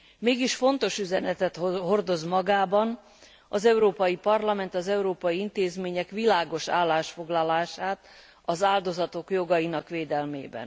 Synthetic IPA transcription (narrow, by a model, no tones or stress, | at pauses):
meːɡiʃfo̞n̪t̪o̞ʃyzɛnɛt̪ɛt̪hɦo̞rd̪o̞zmɒɡaːbɒn | ɒzɛuɾoːpɒjipɒrlɒmɛnt̪ɒzɛuɾoːpɒjiint̪eːzmeːɲɛkʋilaːɡo̞ʃa̰ːlːaːʃfo̞ɡlɒlaːʃaːt̪ | ɒzaːld̪o̞zɒt̪o̞kjo̞ɡɒjinɒkʋeːd̪ɛlmḛːbɛ̰n